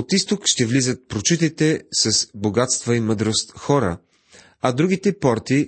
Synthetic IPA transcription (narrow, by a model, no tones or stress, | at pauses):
ot̪ist̪okʃt̪ɛvlizət̪̚pɾot͡ʃut̪it̪ɛsɐsboɡat̪st̪vɐimɤd̪ɾost̪xɔɾə̰ | ɐd̪ɾuɡʲit̪ɛpɔɾt̪i